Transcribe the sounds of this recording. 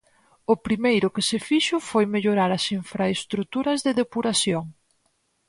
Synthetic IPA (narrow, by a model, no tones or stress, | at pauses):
ʊpɾimejɾʊkɪsefiʃʊfojmeʎoɾaɾɐsiɱfɾaest̪ɾut̪uɾɐzðeðepuɾaθjoŋ